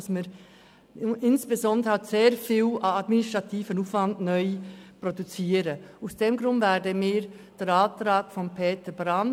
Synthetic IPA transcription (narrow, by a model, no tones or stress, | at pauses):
smiːɾ | ɪnsb̥ezɔndɾəhatseːɾfiːlɑdmɪnɪstɾʁɑtʰiːfənuːfvɑndnœʏprodut͡siːɾəaʊsd̥eːmɡɾʊndvɛdəmiːɾ | d̥ɛɾɑːt̪ɾɑːɡ̥fɔnpʰeːtəbɾɑn